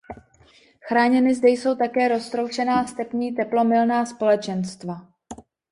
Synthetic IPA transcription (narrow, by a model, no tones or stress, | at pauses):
xɾaːɲɛnɪzdɛjso̞wt̪akɛːɾo̞st̪ɾowt͡ʃɛnaːst̪ɛpɲiːt̪ɛplo̞mɪlnaːspo̞lɛt͡ʃɛnst̪va